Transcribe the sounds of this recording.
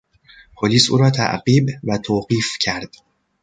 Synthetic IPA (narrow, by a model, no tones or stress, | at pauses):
pʰoliːsʔṵːɾɒːt̪ʰæ̰ʔɢiːbvæt̪ʰoːɢiːfcʰæɾd̪̥